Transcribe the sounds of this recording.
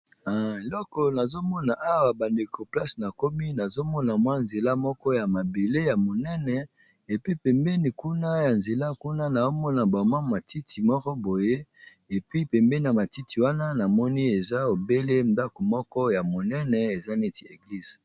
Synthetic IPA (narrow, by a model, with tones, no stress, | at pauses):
a˨e˨lɔ˦kɔ˨na˨zo˦mɔ˦na˨ʔa˦wa˨ba˨nde˨ko˨pla˦sna˨ko˦mi˦na˨zo˦mɔ˦na˨mwa˦nze˨la˦mɔ˦kɔ˦ja˨ma˨be˨le˦ja˨mo˨nɛ˦nɛ˨ | e˨pi˦pɛ˨mbɛ˦ni˨ku˦na˦ja˨nze˨la˦ku˦na˦na˨o˦mɔ˦na˨ba˨mwa˦ma˨ti˦ti˨mɔ˦kɔ˦bo˨je˦ | e˨pɥi˦pɛ˨mbe˦ni˨a˨ma˨ti˦ti˨wa˦na˦na˨mɔ˦ni˦e˨za˦o˨be˦le˦nda˦ko˨mɔ˦kɔ˦ja˨mo˨nɛ˦nɛ˨e˨za˦ne˦ti˨e˨ɡli˦z̥